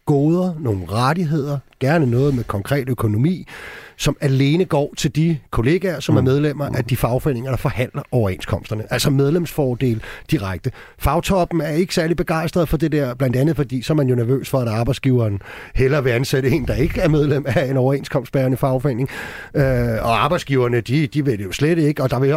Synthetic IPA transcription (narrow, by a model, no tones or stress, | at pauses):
ɡ̥ɔːð̞ˠɐno̝ːn̩ʁaɾ̥iɦe̝ð̰ˠɐɡ̥æɐnənɔ̽ːð̩ˠmekʰɒ̽ŋkʰʁɛ̰ːd̥økʰo̝no̝mḭːsɒ̽mæle̝ːnəɡ̥ɒ̰ːt͡sʰe̝ld̥ikʰo̝le̝ːɡ̥æɐsɒ̽mæɐmeð̞ˠlem̰ɐʔæd̥ifɑ̈ʊfḛne̝ŋɐɾ̥ɑ̈fɒ̽hæn̰lɐʔɒʊɐe̝ːnskʰɒ̽m̰sd̥ɐnəʔælsɐmeð̞ˠlemsfɒːd̥e̝̰ːld̥iʁaɪɡ̥̚d̥ə | fɑ̈ʊt͡sʰɒ̽b̥n̩æɐe̝ɡ̥ə̥sæɐlidb̥e̝ɡ̥ɑ̈ɪsd̥ʁɐð̩ˠfɒ̽d̥e̝d̥eɐ̰b̥læn̰d̥ænð̩ˠfɒ̽d̥ḭːsɒ̽ɐmænjo̝næɐʋø̰ːsfɒ̽æɾ̥ɑ̈ːb̥ɑ̈ɪsɡ̥iʊɐːnhelɐʋe̝ænseɾəe̝ːnd̥ɑ̈e̝ɡ̥əæɐmeð̞ˠlem̰æe̝nɒʊɐe̝ːnskʰɒ̽m̰sd̥b̥æɐnəfɑ̈ʊfḛne̝ŋøɒ̽ɑ̈ːb̥ɑ̈ɪdsɡ̥iːʊɐnəd̥id̥iʋe̝d̥ejo̝sleɾ̥e̝ɡ̥əɒ̽d̥ɑ̈ʋe̝